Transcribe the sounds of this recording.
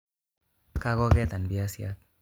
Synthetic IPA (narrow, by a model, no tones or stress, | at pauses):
kaɣoɣet̪anbiasiat̚